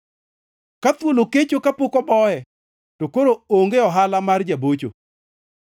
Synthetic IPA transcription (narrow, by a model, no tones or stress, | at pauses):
kat̪woloket͡ʃokapokɔbɔɛ | tokoɾooŋɡeɔɦalamard͡ʒabot͡ʃo̰